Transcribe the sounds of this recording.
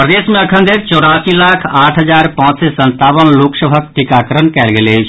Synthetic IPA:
pɾəd̪eːsmẽɐkʰə̃nd̪eɾt͡ʃɔːɾaːsilaːkʰaːʈʰɦəzaːɾpãːt͡ʃsesə̃nt̪aːʋənloːksəbʱək̚ʈikaːkəɾənkɛːlɡelet͡ʃʰ

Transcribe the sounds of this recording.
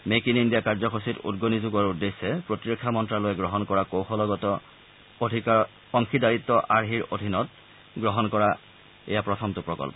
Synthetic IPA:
mekinindijakaɹzɔkʰositṵdɡonizuɡɔɹudːesːɛpɹotiɹokʰːamɔntɹalojɛɡɹɔɦɔnkɔɹakowxɔlɔɡɔtɔ | dʱika | ɔŋkʰidaɹit̪ːɔʔaɹɦiɹodʱinɔt̚ | ɡɹɔɦɔnkɔɹa | ɛ̰japɹɔtʰɔmtʊpɹɔ̰kɔ̰lpɔ

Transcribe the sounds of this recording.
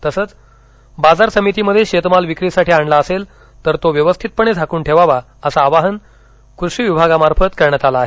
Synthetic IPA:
t̪əsəːt͡s | bad͡zaɾsəmit̪iːməd̪ʱːjeɕet̪malʋikɾisaʈʰiːaɳlaəsel | t̪əɾt̪oʋjəʋəst̪ʰit̪̚pəɳ̃ed͡zʱakuːɳʈʰeʋaʋa | əsaːʋaɦən | kɾuʂiːʋibʱaɡamaɾfət̪kəɾɳ̃jat̪alaːɦe

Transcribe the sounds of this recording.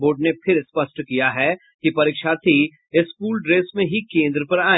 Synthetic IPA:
boːɾɖnepʰɪɾspɐʃʈkijaɦɛ | kipɐɾiːkʃaːt̪ʰi | ɪskuːlɖɾeːsmẽɦikẽːnd̪ɾəpɐɾaː

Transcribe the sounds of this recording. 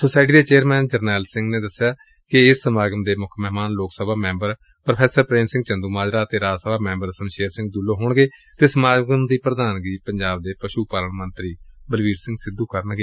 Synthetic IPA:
soːsaːɪʈ̬iːd̪eːt͡ʃeːəɾmɛːnd͡ʒəɾnɛːlsɪ̃ŋɡneːd̪əsːejaː | kɪɪsːəmaːɡəmd̪eːmʊkʰmɛɦmaːnloːksəbʱaːmɛ̃ːmbəɾ | pɾəpʰɛːsəɾpɾeːmsɪ̃ŋɡt͡ʃənd̪uːmaːd͡ʒɾaːt̪eːɾaːsəbaːmɛ̃ːmbəɾsəmʃeːɾsɪ̃ŋɡ̚d̪ulːõːɦoːɳɡeːt̪eːsəmaːɡəmd̪iːpɾəd̪aːnɡiːpəɲd͡ʒaːb̚d̪eːpəʃuːpaːləɳmə̃nt̪ɾiːbəlʋiːɾsɪ̃ŋɡsɪd̪uːkəɾənɡeː

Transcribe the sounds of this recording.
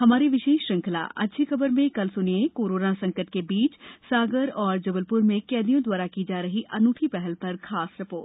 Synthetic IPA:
ɦɐmaːɾiʋɪʃeːʃːɐ̃ŋkʰəla̰ʔɐ̰dʃʰikʰɐbəɾmẽkɐlsʊniekoːɾoːnasɐ̃ŋkəʈ̪kebiːt͡ʃsaːɡəɾɔːɾd͡ʒɐbəlpʊɾmẽkɛːd̪ijõd̪waːɾakid͡ʒaːɾɐɦiʔɐnuːʈ̪ʰipɛɦɛlpɐɾkʰaːsɾɪpoːʈ

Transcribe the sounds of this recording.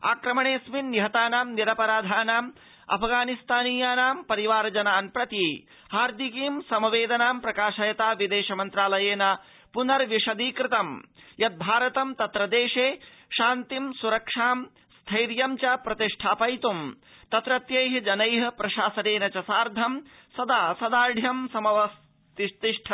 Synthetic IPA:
a̰ːkɾɐmɐɳeːsminːiɦɐt̪aːnaːmniɾɐpɐɾaːd̪ʱaːnaːm | ɐ̰pʰɡaːnist̪aːniːjaːnaːmpɐɾiʋaːɾd͡ʒɐnaːnpɾɐt̪i | haːɾd̪ʱikiːmsɐmɐʋeːd̪ɐnaːmpɾɐkaːʃɐjɐt̪aːʋid̪eːʃɐmɐnt̪ɾaːlɐjeːnɐ | punɐɾʋiʂɐd̪iːkɾɪt̪ɐmjɐt̪̚bʱaːɾɐt̪ɐmt̪ɐt̪ɾɐd̪eːʂeːʃaːnt̪imsuɾɐkʂaːm | st̪ʰɐjɾjɐmt͡ʃɐpɾɐt̪iʂʈʰaːpɐjt̪um | t̪ɐt̪ɾɐt̪jɐjɦɐd͡ʒɐnɐjɦɐ̆pɾɐʃaːsɐneːnɐt͡ʃɐsaːɾd̪ʱɐm | sɐd̪aːsɐd̪aːɖʱjɐmsɐmɐʋɐs | t̪iʂt̪iʂʈʰɐ

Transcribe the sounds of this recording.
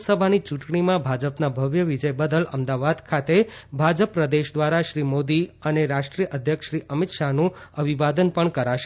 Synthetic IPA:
səbʱanit͡ʃũʈɳ̃imãbʱad͡ʒəpnabʱəʋjəʋid͡ʒəjbəd̪ələ̰md̪aʋad̪kʰat̪ebʱad͡ʒəpːɾəd̪eʃd̪ʋaɾaʃɾimod̪iəneɾaʃʈɾijəʔəd̪ʱjəkʃɾiʔəmɪt̪ʃaɦnũəbʱiʋad̪ənpəɳkəɾaʃ

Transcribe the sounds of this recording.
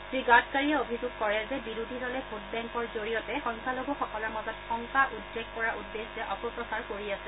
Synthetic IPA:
sɹiɡatkaɹijaobʱizuɡ̚kɔɹɛzɛbiɹudʱidɔlɛbot̚bɛŋkɔɹzoɹijɔtɛxɔŋkʰaloɡɔxɔkɔlɔɹmɔzɔtxɔŋkaʔudːeɡ̚pɔɹaʔudːeszɛʔɔpɔpɹɔsaɹkoɹiasɛ

